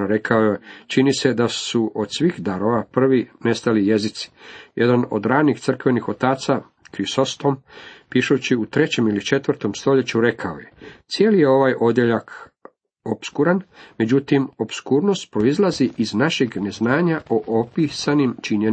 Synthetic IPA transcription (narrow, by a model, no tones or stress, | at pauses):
ɾe̞kʰaoet͡ʃinise̞d̪asuʔo̞d̪sʋixd̪aɾo̞ʋapr̩ʋine̞st̪alije̞zit̪si̥jed̪ano̞̰d̪ɾaːnixt̪sr̩kʋe̞nixo̞t̪aːt̪sa | kɾisost̪ompiʃut͡ɕiut̪ɾe̞t͡ɕe̞milit͡ʃe̞t̪ʋrt̪o̞mst̪o̞ʎe̞t͡ɕuɾe̞kʰaoje̞t̪sije̞ːlije̞o̞ʋaːjʔo̞d̪jeʎak | o̞pskuɾanme̞d͡ʑut̪imo̞bskuːɾno̞st̪̚pɾo̞izlˠaziʔiznaʃeɡne̞znaːɲaʔoʔopisanimt͡ʃiɲe